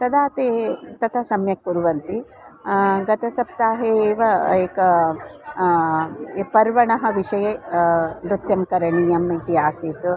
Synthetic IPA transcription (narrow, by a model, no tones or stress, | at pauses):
t̪ɐd̪aːt̪eːt̪ɐt̪ʰɐsɐmjɐkːuɾuʋɐnt̪i | ɡɐt̪ɐsɐp̚t̪aːɦeːʋɐeːkɐ | pɐɾʋɐɳɐɦɐʋiʂɐje | bɾut̪jɐmkɐɾɐɳijɐmit̪ijaːsiːt̪u